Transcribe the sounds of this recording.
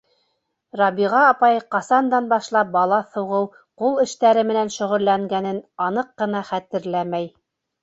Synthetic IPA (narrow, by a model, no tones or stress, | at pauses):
rɑbiʁɑːpɑjɤqɑsɑnd̪ɑnbɑʃlˠɑp̚bɑlˠɑθŭʁɤw | qulˠɘ̆ʃt̪æɾɘmɘ̆nænʃɵ̆ʁɵ̆lːæŋɡænɘnɑnɤqːɤ̆nɑχæt̪ɘ̆ɾlæmæj